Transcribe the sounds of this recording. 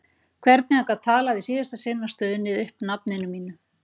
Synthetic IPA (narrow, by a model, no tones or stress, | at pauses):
kʰvɛɾt̪nɪakat̪ʰaːlaðisiːðast̪asɪnːast̪œːðʏnvɪðʏhpnapnɪnʏmːiːnʏ